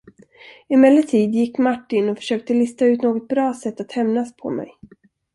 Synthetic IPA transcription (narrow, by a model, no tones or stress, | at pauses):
ɪmɛlːəʈʰiːd̪jɪkːmaʈːɪnɔfœ̥ʂøːk̚t̪əlɪst̪aʉ̟t̪noːɡɔt̪̚bɾɑːsɛt̪ːat̪hɛmnaspʰɔ̰mɛ̰j